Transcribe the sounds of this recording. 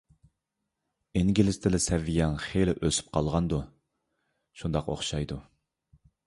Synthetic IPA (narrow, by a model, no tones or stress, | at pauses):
iŋɡʲilɪst̪ʰɪlɪsɛvːijɑŋχejlɪʔøsy̥p̚qʰɑlˠʁɑnd̪u | ʃund̪ɑqo̰χʃɑjd̪u